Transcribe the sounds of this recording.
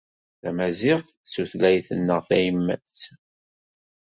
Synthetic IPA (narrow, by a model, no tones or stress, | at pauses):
θæmæzɪʁθsuθlæjθənːəʁθæjəmːæ̰s